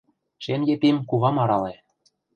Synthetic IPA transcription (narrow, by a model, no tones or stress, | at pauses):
ʃenjep̪imkuβɑmɑɾɑle